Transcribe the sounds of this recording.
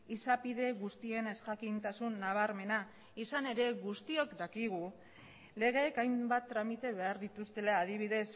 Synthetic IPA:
isapiðe̞ɣust̪ie̞ne̞skakint̪asunːaβ̞aɾme̞na | isane̞ɾe̞ɣust̪io̞kd̪akiɣ̞u | le̞ɣe̞ːkajmbat̪ːɾamit̪e̞βe̞aɾðit̪ust̪e̞laːðiβ̞iðe̞s

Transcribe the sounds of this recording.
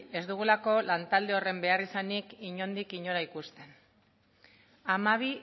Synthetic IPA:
e̞zd̪uɣ̞ulako̞lant̪ald̪e̞o̞re̞mbe̞arisanikiɲo̞nd̪ikiɲo̞ɾaikust̪e̞n | amaβ̞i

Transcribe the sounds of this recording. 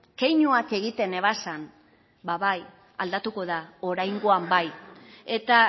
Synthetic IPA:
ke̞jɲuake̞ɣ̞it̪e̞ne̞β̞asan | baβaj | a̰ld̪at̪uko̞ðao̞ɾajŋɡo̞ambaje̞t̪a

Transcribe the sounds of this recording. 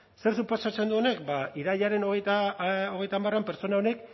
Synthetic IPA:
se̞ɾsupo̞sat͡se̞nd̪uo̞ne̞k̚baiɾaʎaɾe̞no̞ɣejt̪aoɣejt̪amaroampe̞ɾt͡so̞naone̞k

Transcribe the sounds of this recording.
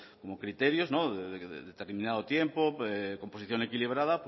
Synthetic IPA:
komokɾit̪eɾjoznoðeðeð̰ðet̪eɾmĩnað̞ot̪jempoeko̞mposiθjoŋekiliβ̞ɾað̞ap

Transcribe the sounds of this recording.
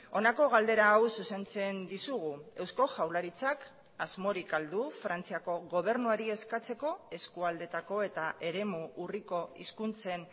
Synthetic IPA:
o̞nako̞ɣ̞ald̪e̞ɾaːwsuse̞nt͡se̞nd̪isuɣ̞ue̞wsko̞ʝawlaɾit͡sak | azmo̞ɾikald̪ufɾant͡siako̞ɣo̞β̞e̞ɾnuaɾie̞skat͡se̞ko̞e̞skuald̪e̞t̪ako̞e̞t̪aʔe̞ɾe̞muːriko̞ḭskunt͡se̞n

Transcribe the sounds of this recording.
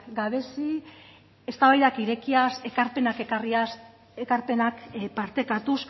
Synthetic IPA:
ɡaβe̞si | e̞st̪aβajðakiɾe̞kiase̞kaɾpe̞nakekaria | ekaɾpe̞nakpaɾt̪e̞kat̪us

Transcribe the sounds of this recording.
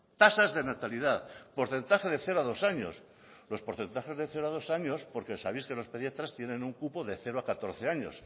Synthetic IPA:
t̪asazðe̞nat̪alið̞aðpo̞ɾθe̞nt̪axe̞ðeθe̞ɾoaðo̞saɲo̞̰s | lo̞spo̞ɾθe̞nt̪axe̞zðeθe̞ɾoaðo̞saɲo̞spo̞ɾkesaβ̞iskeno̞speðijat̪ɾast̪jenẽ̞nuŋkupoðe̞θe̞ɾoakat̪o̞ɾθe̞aɲo̞̰s

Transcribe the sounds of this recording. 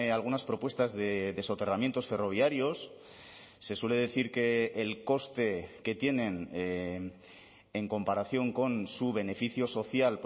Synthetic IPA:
alɣunaspɾo̞pwe̞st̪azðeðe̞so̞t̪e̞ramje̞nt̪o̞sfe̞ro̞β̞jaɾjo̞sː | e̞swe̞le̞ðe̞θiɾke̞ːlko̞st̪e̞ke̞t̪je̞nẽ̞n | e̞ŋko̞mpaɾaθjo̞ŋko̞nsuβe̞ne̞fiθjo̞so̞θjalp

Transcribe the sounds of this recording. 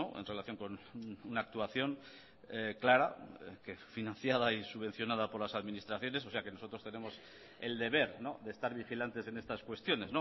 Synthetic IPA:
oe̞̰nre̞laθjo̞ŋko̞nnunaːk̚t̪uaθjo̞n | klaɾa̰kefinãn̟θjað̞aisuβe̞n̟θjo̞nað̞apo̞ɾlasaðminist̪ɾaθjo̞ne̞sose̞ake̞no̞so̞t̪ɾo̞st̪e̞nẽ̞mo̞s | e̞̰ld̪e̞β̞e̞ɾno̞̰ðeːst̪aɾβixilant̪e̞se̞ne̞st̪askwe̞st̪jo̞ne̞zno̞

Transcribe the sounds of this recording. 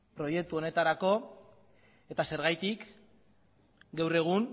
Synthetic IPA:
pɾo̞je̞k̚t̪uo̞ne̞t̪aɾako̞ | e̞t̪ase̞ɾɣajt̪ik | ɡawre̞ɣ̞uŋ

